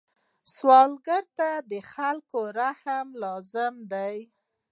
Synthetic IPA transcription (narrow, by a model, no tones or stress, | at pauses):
swɑlɡaɾt̪ad̪əxalkoɾahamlɑzɪmd̪aj